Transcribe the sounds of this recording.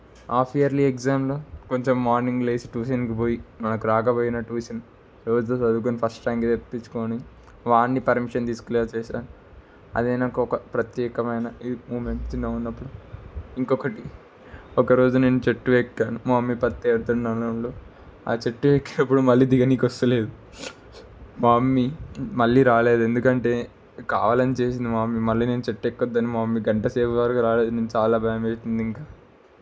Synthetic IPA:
aːpʰiɐɾliekzaːmloko̞ɲt͡ʃemːaːɾniŋɡleːsi̥ʈuːʃɐnkipoːjimɐnɐkuɾaːkɐboːjinɐʈuːsɐn | ɾoːd͡ʒ̪osɐd̪uk̬onipʰɐsʈʈɐjmkit̪epːit͡ʃːu̥koːni | ʋaːɳːipɐɾmiʂɐnt̪iːsu̥kuleːt͡ʃɛːʃaːnu | ɐ̰d̪ejnakɐɔkɐpɾɐt̪jɛːkɐmɐjnɐimuːmeɳʈt͡ʃinɐːunːɐpːuɽuiŋkɔkɐʈi | ɔkɐɾo̞ːd͡ʒune̞ːnut͡ʃeʈːuʋekːaːnumaːmːipɐt̪ːeːɽut̪uɳːaːlouɳloː | a̰ːt͡ʃeʈːuʋeːkːinɐpːuɽumɐlːiːd̪iɡɐniːkɐst̪ɐle̞ːd̪u | maːmːimɐɭːiːɾaːle̞ːd̪ue̞nd̪ukɐɳʈe̞ː | ka̰ːʋaːlɐnit͡ʃe̞ːs̬ind̪imaːmːimɐlːiːneːnut͡ʃeʈːekːɔd̪ːɐnimaːmːiɡɐɳʈɐseːʋɐʋaːɾkuɾaːle̞ːd̪une̞ːnut͡ʃaːlaːbʱɐjɐmeːsind̪iŋkaː

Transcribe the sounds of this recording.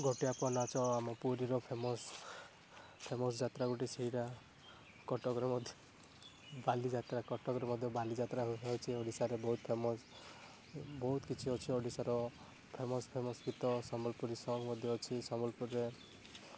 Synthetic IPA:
ɡʱoʈijapɔnat͡ʃʰɔamɔpuɾiɾɔpʰemɔs | pʰemɔsd͡ʒat̪ɾaɡoʈiseɦiɾa | kɔʈɔɡɾemɔd̪ʱjɔ | balid͡ʒat̪ɾakɔʈɔkɾemɔd̪ʱjɔbalid͡ʒat̪ɾaɦɦɔwt͡ʃʰiɔɖisaɾebɔɦut̪pʰemɔs | bɔɦut̪kit͡ʃʰiɔt͡ʃʰiɔɖisaɾɔ | pʰemɔspʰemɔsɡit̪ɔsɔmbɔlpuɾisɔɡmɔd̪ʱjɔɔt͡ʃʰisɔmbɔlpuɾːe

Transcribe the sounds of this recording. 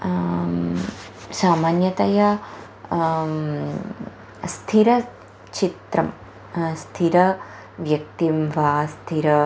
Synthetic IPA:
saːmaːnjɐt̪ɐjɐ | st̪ʰiɾɐ | t͡ʃit̪ɾɐm | st̪ʰiɾɐ | ʋjɐk̚t̪imʋaːst̪ʰiɾɐ

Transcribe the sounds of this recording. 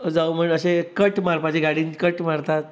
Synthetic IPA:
d͡zaum̤əɳəɕekəʈmaɾpat͡ɕeɡʱaɽiːnkəʈmaɾt̪at̪̚

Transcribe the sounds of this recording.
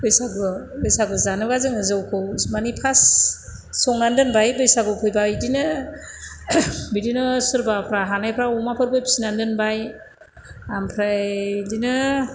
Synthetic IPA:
bɯjsaɡɯbɯjsaɡɯzanɯɡazɯŋɯzɯwkʰɯwmanipʰasː | ɔŋandɯnbajbɯjsaɡɯpʰɯjbaidinɯ | bidinɯsɯɾbapʰɾaɦanajpʰɾaɔmapʰɯɾbɯjpi̥sinandɯnbaj | ampʰɾadinɯ

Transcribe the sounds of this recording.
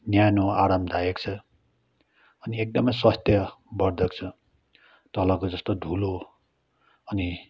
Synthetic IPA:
njajnoaɾamd̪ʱajekt͡sʰʌ | ʌniek̚d̪ʌmʌjswʌst̪jʌbʌrd̪ʱʌkt͡sʰʌ | t̪ʌlʌkod͡zʌst̪od̪ʱulo | ʌni

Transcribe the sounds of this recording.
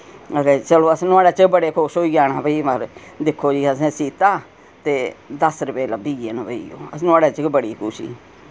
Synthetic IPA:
ət̪eːt͡ʃəloːəsnʊaːɽaːt͡ʃəkbəɽeːkʰoʃoːiːɡaːnaːbəiːməɾd̪ɪkʰːoːd͡ʒiːəsẽsiːt̪aː | t̪eːd̪əsɾəpeːləbiːɡeːnbəḭːo̰ːəsnaːɽaːt͡ʃəkbəɽiːkʰʊʃḭː

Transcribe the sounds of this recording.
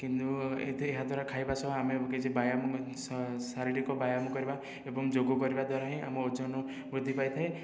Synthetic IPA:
kint̪uḛt̪ʰieɦad̪ʱwaɾakʰajbasɔbaameked͡ʒebajamɔ | saɾiɽikɔbajamɔkɔɾiba | ebɔŋd͡ʒoɡɔkɔɾibad̪waɾaɦĩa̰mɔod͡ʒɔnɔ | bɾud̪ʱːipajt̪ʰae

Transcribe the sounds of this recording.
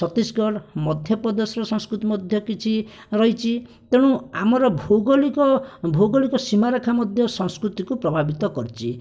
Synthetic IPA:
sɔt̪iskɔɾmɔd̪ʱjɔpɔd̪ɔsɾɔsɔ̃ŋskɾut̪imɔd̪ʱjɔkit͡ʃʰi | ɾɔɦit͡ʃʰit̪eɽ̃ũamɔɾɔbʱoɡɔlikɔbʱoɡɔlikɔsimaɾɔkʰamɔd̪ʱjɔsɔ̃ŋskɾut̪ikupɾɔbʱabit̪ɔkɔɾit͡ʃʰi

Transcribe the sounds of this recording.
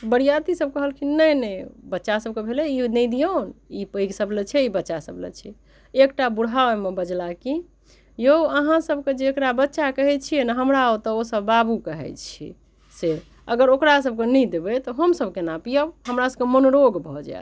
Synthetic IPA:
bəɽijat̪isəb̚kəɦəlkʰinənəbətːʃasəb̚kebʱeleinəid̪ijonipəiksəblet͡ʃʰɛibətːʃasəblə̰t͡ʃʰɛ | ekʈabuɽʱamebəd͡ʒlaki | joəɦãsəbʱked͡ʒeːkɾabətːʃakəɦɛt͡ʃʰijɛnaɦəmɾaot̪ɔosəbːabukəɦɛ̰t͡ʃʰḭ | se | ə̰ɡəɾokɾasəb̚kenɛid̪ebɛt̪ɔɦəmsəbʱkenapijəɦəmɾasəbkemənoɾoɡbʱɔd͡ʒa̰

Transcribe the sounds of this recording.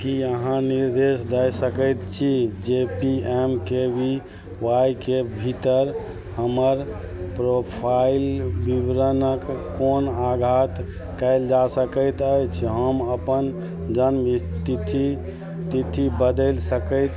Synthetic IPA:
kiəɦãniɾd̪esd̪əjsəkəjt̪t͡ʃʰid͡ʒepiemkebʱi | wajkebʱit̪əɾ | həməɾ | pɾopʰailbiʋɾənəkː | onaɡʱat̪ | kəɪld͡ʒasəkəjt̪əjt͡ʃʰɦəməpən | d͡ʒənmit̪it̪i | t̪it̪ibəd̪əlsəkət̪

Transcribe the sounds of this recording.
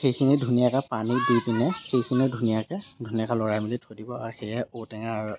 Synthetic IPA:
xejkʰinidʱunijakapanidutinɛxejkʰinidʱunijakɛdʱuniakalɔɹajmilitʰodibɔaɹxejɛotɛŋaɹ

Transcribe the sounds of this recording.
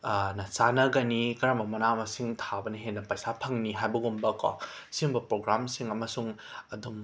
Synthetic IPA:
nɐsanɐɡɐnikɐɾamɐmɐnamɐsiŋtʰabɐnɐɦenːɐpajsapʰɐŋniɦajbɐɡumbɐkɔ̰siumbɐpɾoɡɾamsiŋɐmɐsuŋɐdum

